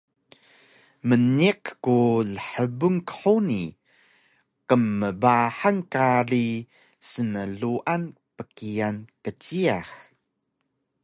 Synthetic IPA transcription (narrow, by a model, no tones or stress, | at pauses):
məniqkuɮəħəbuŋkə̥ħuni | qəmːəbaħankaɾi | sənəɮuʔan | pəkiankətiax